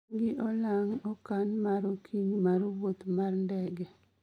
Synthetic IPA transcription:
ɡɪʔɔlaŋɔkanmaɾokʰiɲmaɾowot̪marndɛɡɛ

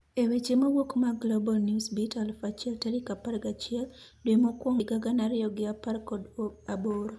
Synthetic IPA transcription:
ewet͡ʃemowokmaɡlobɔlnjusbitalfat͡ʃɪɛltɛɾɪkapaɾɡat͡ʃɪɛldwemokwoŋɪɡaɡanaɾɪjɔɡɪaparkɔdoaboɾo

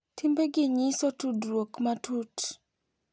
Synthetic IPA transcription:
tʰɪmbeɡɪɲisotudɾwokmatut

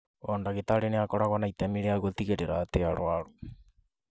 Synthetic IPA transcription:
ɔndaɣet̪aɾeneakɔɾaɣanait̪amiɾeaɣot̪iɣeɾeɾat̪eaɾoaɾo

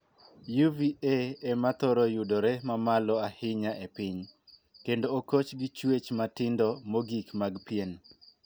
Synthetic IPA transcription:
juvieemat̪ɔɾɔjudoɾɛmamalɔahɪɲaʔepɪɲ | kendoːkot͡ʃɡɪt͡ʃwet͡ʃmatɪndɔmoɡikmaɡpien

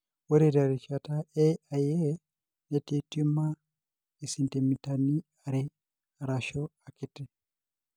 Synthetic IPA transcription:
woɾeɾaɾit͡ʃataeaje | netitima | isintimitani | aɾi | aɾaʃoakiti

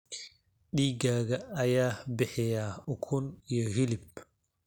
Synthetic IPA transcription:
ɗiːɡaɡaːjabɛhɛjaɔkʰunjɔhilip̚

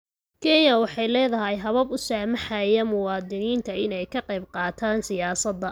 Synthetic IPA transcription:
kʰɛnjɐwɑħɑjlɛːðɐɦɛjɦɐβɐbʊsaːmɐħajɐmʊwɑːd̪ɪniːnt̪ʰɐɪnɛjkʰɐqɑjbqɑːt̪ʰaːnsɪjaːsɐd̪ːɐ

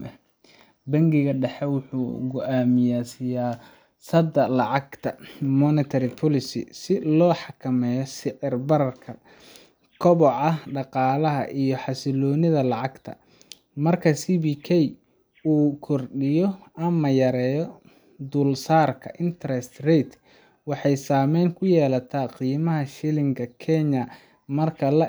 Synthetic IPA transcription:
bɐŋɡɪɣɐɖɛħɛwʊħṵːɡʊʔaːmɪjaːsɪjaː | sɐd̪ɐlɑʕɑɡt̪ʰɐmɔnɪt̪ʰɐɾɪpʰɔlɪsɪ̰sɪlɔːħɑkʰɐmɛːjɔsɪʕɪrbɐɾɐrkʰɐ | kʰɔβɔʕɑɖɑqɑːlɐɦɐ̰ʔijɞħɑsɪlɔːnɪðɐlɑʕɑɡt̪ʰɐ̰ | mɐrkʰɐsiːbikʰɛj | uːkʰɔrɗɪjɔɐmɐjɐɾɛːjɔ | d̪uːlsaːrkʰɐ̰ʔɪnt̪ʰɐɾɛst̪rɛjt̪ʰ | wɑħɑjsaːmɛjŋkʰʊjɛːlɐt̪ʰaqiːmɐɦɐʃɪlɪŋkʰɐkʰɛɲɐ | mɐrkʰɐlɐ

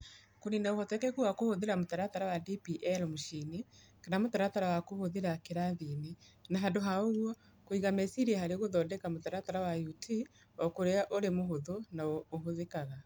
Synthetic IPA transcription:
koɾinaohɔtɛkɛkuwakohoðeɾamotaɾataɾawadipiʔɛlmoʃini | kanamotaɾataɾawakohoðeɾakeɾaðinenaɦadoɦaoɣwɔ | koiɣamɛsiɾiahaɾeɣoðɔːdɛkamotaɾataɾawajutʰi | ɔkoɾeaʔoɾemoɦoðonaoːɦoðekaɣa

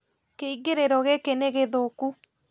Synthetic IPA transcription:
keiɡeɾeɾɔɣekeneɣeðoku

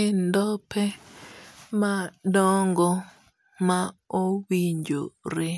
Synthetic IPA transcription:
ɪndɔpʰɛ | madɔŋɡɔ | maowiɲd͡ʒo̰ɾɪ

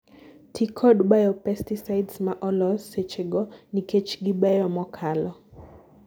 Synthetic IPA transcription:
tʰikʰɔdɓajɔpɛstisajdsmaʔɔlɔset͡ʃeɡɔniket͡ʃɡiɓajɔmɔkʰalɔ

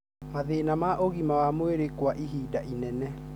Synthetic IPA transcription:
maðeːnamaʔoɣimawamweɾekwaʔiɦiːdaʔinɛnɛ

